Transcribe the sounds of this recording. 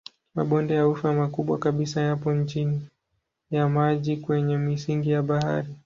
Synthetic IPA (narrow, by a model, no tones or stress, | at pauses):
ma̰ɓɔndɛjaufamakuɓwa̰kaɓisajapɔɲt͡ʃini | jamaʄikwɛɲɛmisiŋɡijaɓaha̰ɾi